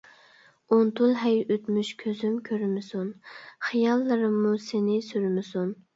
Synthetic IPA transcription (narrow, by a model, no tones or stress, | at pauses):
ont̪ʰulˠɦɛjøt̪myʃkʲʰøzymkʲʰøɾmɪsunχijɑlˠːɨɾɨmːusenɪsyɾmɪsun